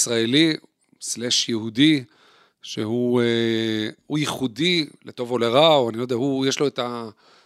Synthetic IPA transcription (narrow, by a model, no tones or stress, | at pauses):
sʁaeli | sleʃjehud̪i | ʃeɦu | hujiχud̪ilet̪o̞voleʁaoanilojd̪eaɦujeʃlo̞et̪a